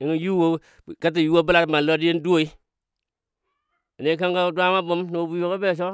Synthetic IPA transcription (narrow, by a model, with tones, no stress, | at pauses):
i˨ŋi˨ju˦wo˦˨ | ka˦t̬i˨ju˦wo˦bu˦la˨tma˨lo˦di˦je˦n˦do˦i˦ | a˨ne˦ka˦ŋka˦dwa˦ma˦bo˦mno˨bu˨jo˨ke˦be˦˨ʃ̬o˦